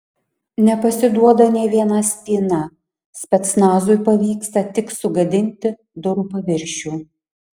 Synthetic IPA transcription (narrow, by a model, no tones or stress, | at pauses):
nʲɛpɐsʲɪd̪uɔd̪ɐnʲɛːʋʲiɛnɐsʲt̪ʲiːnɐ | sʲpʲɛt̪snɑːzʊjpɐʋʲiːkst̪ɐt̪ʲɪksʊɡɐd̪ʲɪnʲt̪ʲɪ | d̪ʊɾʊpɐʋʲɪɾʲʃʲuː